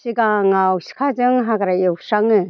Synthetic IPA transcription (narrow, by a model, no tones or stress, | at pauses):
siɡaŋawsi̥kʰazɯŋɦaɡaɾajɯwsaŋɯ